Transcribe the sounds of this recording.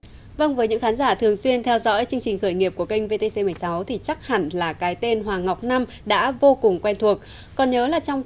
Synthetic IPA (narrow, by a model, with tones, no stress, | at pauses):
və˧ŋvəː˨˦jɲɨ̰˧˥ŋxaː˨˦nzaː˧˩t̪ʰɨ˨˩əŋswi˧ənt̪ʰɛ˧wzɔ̰˧˥jt͡ɕɨ˧əŋt͡ɕï˨˩ŋ̟xəː˧˩jŋi˨˩əp̚ku˧˩əkə˧jŋ̟ve˧t̪e˧se˧mɨ˨˩əjsa˨˦wt̪ʰi˨˩t͡ɕa˦˥k̚ha˧˩ŋlaː˨˩kaː˨˦jt̪e˧nɦwaː˨˩ŋa˨˩wk͡p̚na˧m | ɗa̰ː˧˥vo˧kʊ˨˩ŋ͡mkwɛ˧jnt̪ʰu˨˩ək̚ | kɔ˨˩nɲəː˨˦laː˨˩t͡ɕɔ˧wŋ͡m